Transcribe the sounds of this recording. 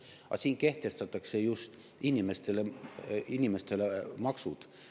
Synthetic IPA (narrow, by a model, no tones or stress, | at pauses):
ɑ̰siːnke̞ht̪e̞st̪ɑt̪ːˑɑkse̞just̪ | inʲime̞st̪e̞leinʲime̞st̪e̞lemɑksud̪̥